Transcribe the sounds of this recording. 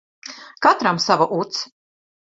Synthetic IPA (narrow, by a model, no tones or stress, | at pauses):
kat̪ɾamsavaʔut̪s